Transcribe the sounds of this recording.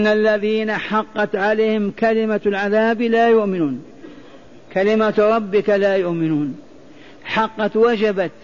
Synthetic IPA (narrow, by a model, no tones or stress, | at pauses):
nːalːaðiːnaħɑqːɑt̪ʕalaːhɪmkalɪmalʕaðaːblaːjʊʔmɪnuːn | kalɪmaɾˤɑbːɪkalaːjʊʔmɪnuːn | ħɑqːɑt̪wad͡ʒabat̪